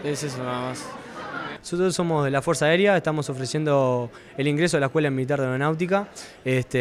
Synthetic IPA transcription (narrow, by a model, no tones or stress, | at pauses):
eses̬onaamas | nosot̪ɾso̞mozðelafweɾsaeɾjaeht̪amoso̞fɾesje̞nd̪o | eliŋɡɾes̬o̞laekwe̞lamilit̪̬aɾðeawɾonawt̪̬ika | eht̪e